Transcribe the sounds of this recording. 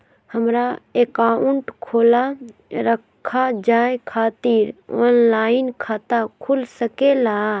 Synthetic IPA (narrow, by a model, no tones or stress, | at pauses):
həmɾaeːkauɳʈkʰoːlaɾəkʰːad͡ʒaːekʰaːt̪iːɾo̰nlaːinkʰaːt̪akʰulsəkela